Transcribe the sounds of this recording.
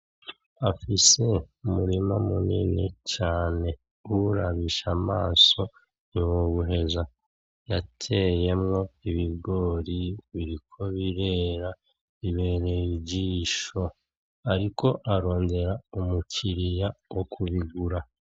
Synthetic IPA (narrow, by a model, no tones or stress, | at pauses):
afise̞umuɾimamunḭnḭcaːne̞ | uuɾaβiʃamaːso̞ | niwoβuɦe̞za | jatʰe̞je̞mŋo̞iβiɡo̞ːɾiβiɾikʰo̞βiɾe̞ːɾa | iβe̞ɾeiɟiːʃo̞ | aɾiko̞ʔaɾo̞ːnde̞ɾaumucʰiɾijawʔokʰuβiɡuɾa